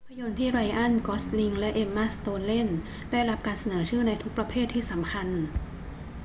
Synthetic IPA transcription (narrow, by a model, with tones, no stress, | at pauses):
pʰːa˧jo˧nt̪ʰiː˥˩ɾa˧jʔa˥˩nkɔː˦˥sli˧ŋlɛ˦˥ʔe˧mːa˦˥st̪oː˧nle˥˩n | daː˥˩jɾa˦˥p̚kaː˧nsa˧nɤː˩˦t͡ɕʰɯː˥˩na˧jt̪ʰu˦˥k̚pɾa˧pʰeː˥˩t̪ʰːiː˥˩sa˩˦mkʰa˧n